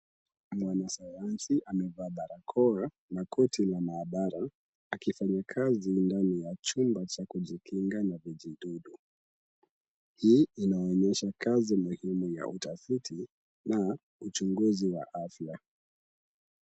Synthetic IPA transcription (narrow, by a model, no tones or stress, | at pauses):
mwanasajansiʔamɛvaːɓaɾakʰɔa | nakʰɔtʰilamaːɓaɾaː | kifaɲakʰazindanijat͡ʃumbat͡ʃakuʄikʰiŋɡanaviʄiɗuɗu | hiːinaɔɲɛʃakʰazimuhimuja̰ʔutafitʰi | na | ut͡ʃuŋɡuziwa̰ʔafja